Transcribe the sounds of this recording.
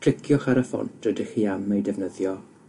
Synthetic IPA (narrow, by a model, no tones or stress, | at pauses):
kʰl̥ɪkʰjɔχaɾəfɔ̰ntʰədɪχiːamejdɛvnəðjɔ